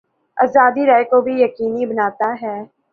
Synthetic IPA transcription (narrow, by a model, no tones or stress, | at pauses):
a̰ːzaːd̪iɾaːjkobʱijɐkiːnibɐnaːt̪aɦɛː